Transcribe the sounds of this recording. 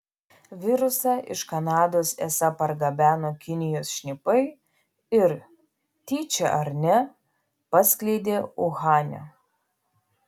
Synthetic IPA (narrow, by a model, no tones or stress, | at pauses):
ʋʲɪɾʊsɑːʔɪ̰ʃkɐnɑːd̪oːsesɑpɐɾɡɐbʲæːnoːkʲɪnʲɪjoːsʃʲnʲɪpɐɪ | ɪɾ | t̪ʲiːt͡ʃʲɛʔɐɾʲnʲɛ | pɐsʲklʲɛɪd̪ʲeːʊɣɑːnʲɛ̰